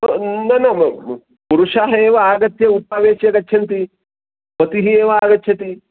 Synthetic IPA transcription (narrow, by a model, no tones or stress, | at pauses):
nɐnɐ | puɾuʂaːɦɐeːʋɐaːɡɐt̪jɐut̪̚pɐʋeːʃjɐɡɐt͡ʃːʃʰɐnt̪i | pɐt̪iɦieːʋɐaːɡɐt͡ʃːʃʰɐt̪i